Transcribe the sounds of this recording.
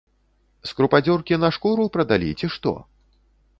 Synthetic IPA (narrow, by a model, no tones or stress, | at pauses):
skɾupad͡zʲɔrkʲinɐʂkuɾupɾɐd̪alʲḭt͡sʲiʂt̪ɔ̰